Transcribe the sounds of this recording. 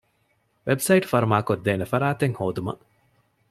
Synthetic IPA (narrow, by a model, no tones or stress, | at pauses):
ʋebsɐiʈfɐɾumaːkod̪ːeːnefɐɾaːt̪eŋhoːd̪umɐ̰